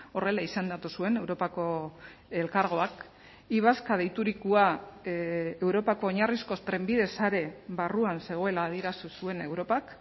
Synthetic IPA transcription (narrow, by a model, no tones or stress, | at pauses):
o̞re̞laisend̪at̪usue̞ne̞wɾo̞pako̞e̞lkaɾɣ̞o̞ak | iβ̞askað̞ejt̪uɾikua | ewɾo̞pako̞ːɲarisko̞st̪ɾe̞mbiðe̞saɾe̞βaruanse̞ɣ̞o̞e̞laːð̞ie̞ɾasusue̞ne̞wɾo̞pak